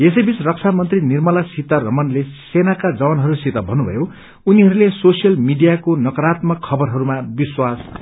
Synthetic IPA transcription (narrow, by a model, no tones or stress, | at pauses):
esʌjbit͡srʌk̚t͡sʰamʌnt̪rinirmʌlasit̪arʌmʌnlesenakad͡zʌwʌnɦʌɾusit̪ʌbʱʌnːubʱʌ̰jo | uniɦʌɾulesosijʌlmiɖijakonʌkʌɾat̪mʌkʰːʌbʌrɦʌɾumabiswas